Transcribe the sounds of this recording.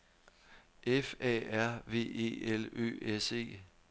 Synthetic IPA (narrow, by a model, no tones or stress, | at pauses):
ʔefɛ̰ːæɐ̰ʋe̝̰ːe̝̰ːelø̰ːese̝̰ː